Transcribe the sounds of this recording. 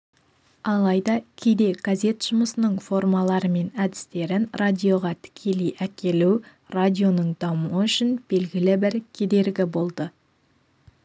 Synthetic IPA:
ɑlˠɑjd̪ɑkʲʰejd̪e̞ɡ̥azʲe̞t̪ʒ̥ʊməsənəɴfo̞rmɑlˠɑɾəme̞næd̪ɪ̥st̪e̞ɾɪnradʲijo̞ʁɑt̪ʰɪ̥kʲʰe̞lijʔækʲe̞luw | radʲijo̞nəɴd̪ɑmuəʏʃɪnb̥e̞lɡʲɪlɪbɪɾkʲʰe̞d̪e̞ɾɡʲɪbo̞lˠd̪ə

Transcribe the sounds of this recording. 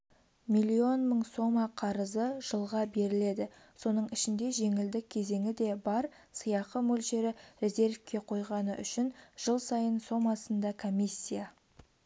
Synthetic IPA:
mʲijlʲːio̞nməɴso̞mɑqʰɑɾəzəʒ̥əlˠʁɑbe̞ɾɪle̞d̪ɪ | so̞nəɴɪʃɪnd̪e̞ʒe̞ŋɪld̪ɪk̚ʲʰe̞ze̞ŋʲɪd̪e̞bɑɾ | səjɑqəmɵlʒe̞ɾɪɾe̞zʲe̞rfkʲe̞qʰo̞jʁɑnə̰ʔʏʃɪnʒ̥əlˠsɑjənso̞mɑsənd̪ɑkʰo̞mʲisʲːija

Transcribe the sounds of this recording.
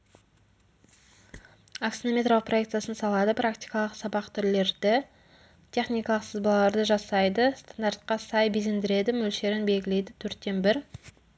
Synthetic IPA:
aksinome̞t̪ɾro̞ləq̚prʔo̞jekt̪sɨjasənsɑlˠɑd̪əprakt̪ijkɑlˠəqsɑbɑqt̪ʰʏɾle̞ɾd̪ɪ | t̪ʲʰe̞χnijkɑlˠəqsəzbɑlˠɑlˠɑɾd̪əʒɑsɑjd̪əst̪ʰand̪aɾt̪̚qɑsɑjbizend̪ɪɾe̞d̪ɪmɵlʃe̞ɾɪnbe̞lɡʲɪle̞jd̪ɪt̪ʰɵɾt̪ːe̞nbɪɾ

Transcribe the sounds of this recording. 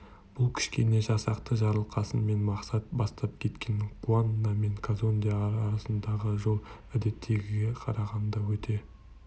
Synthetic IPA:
b̥ʊlˠkʲʰɪ̥ʃkʲe̞ne̞ʒɑsɑqt̪əʒɑɾəlˠqɑsənme̞nmɑqsɑt̪̚bɑst̪ɑp̚kʲʰe̞t̪kʲe̞ŋqʰuanːɑme̞ŋkʰazond̪ijaɾːɾɑsənd̪ɑʁəʒo̞lˠ | æd̪e̞t̪ʰːe̞ɡʲɪɡʲe̞qʰɑɾɑʁɑnd̪ɑwɵt̪ʰe̞

